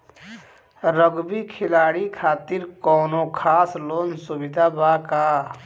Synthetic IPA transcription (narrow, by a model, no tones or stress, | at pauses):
ɾəɡbikʰɪlaːɽikʰaːt̪iɾkɔːnokʰaːslonsubid̪ʱabaka